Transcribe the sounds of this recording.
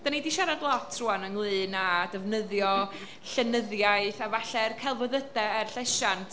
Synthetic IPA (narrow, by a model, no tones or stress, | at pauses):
d̥anidiʃaɾadlˠɔtʰruanəŋlˠɨːnadəvnəðjɔ | ɬənəðjajθavaɬɛrkʰɛlˠvɔðədɛərɬɛʃantʰ